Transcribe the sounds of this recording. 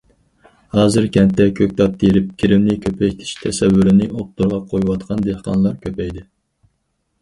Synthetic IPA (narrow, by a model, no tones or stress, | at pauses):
hɑːzɨɾkʲʰɛnt̪ːɛkʲʰøk̚ʲt̪ɑp̚t̪ːjɾɪp̚kʲʰiɾɪmnɪkʲʰøpʰɛt̪ʰɪ̥ʃt̪ʰɛsɛvːyɾɪnɪʔop̚t̪ʰuɾʁɑqʰojwɑt̪qʰɑnd̪ehqʰɑ̰nlˠɑɾkʲʰøpɛjd̪ɪ